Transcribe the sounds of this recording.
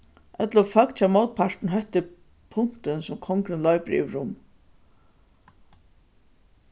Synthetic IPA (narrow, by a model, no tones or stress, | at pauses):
ʔɛt̪lʊfœkt͡ɕʰamɔwt̪̚pʰaʂʈ̪n̩ɦœht̪ɪ | pʰʊn̥t̪ɪnsʊmkʰɔŋkɾɪnlɔjpɾḭʋɾʊm